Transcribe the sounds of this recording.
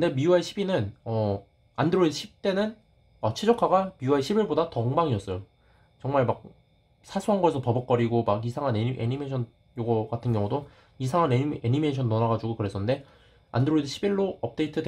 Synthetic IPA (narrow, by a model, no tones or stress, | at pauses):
kɯnde̞miuaiɕʰibinɯnʌ | andɯɾoidɯɕʰip̚t͈e̞nɯn | ʌt͡ɕʰid͡ʑʌkʰaɡamiuaeɕʰibiɭbodatʌŋbaŋiʌs͈ʌjo | t͡ɕʌŋmaɭmak̚ | sʰasʰuɦanɡʌesʰʌpʌbʌk̚k͈ʌɾiɡomaɡisʰaŋɦaneiʔḛɲimeɕʰʌn | joɡʌɡatʰɯnɡjʌŋudo | isʰaŋɦaneeɲime̞ɕʰʌnːʌnaɡad͡ʑuɡokɯɾe̞sʰʌnnde̞ | a̰ndɯɾoidɯɕʰibiɭːoʌp̚t͈e̞itʰɯde